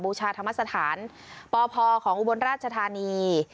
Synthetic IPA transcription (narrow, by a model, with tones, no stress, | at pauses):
buː˧t͡ɕʰaː˧t̪ʰa˧mːa˥t̚sa˧t̪ʰaː˩˦n | pɔː˧pʰɔː˧kʰɔː˩˦ŋʔu˧bo˧nɾaː˥˩t̪̚t͡ɕʰa˧t̪ʰaː˧niː˧